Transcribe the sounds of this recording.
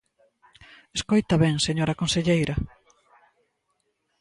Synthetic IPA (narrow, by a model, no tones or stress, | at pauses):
eskojt̪ɐβɛŋseɲoɾɐkõnseʎejɾɐ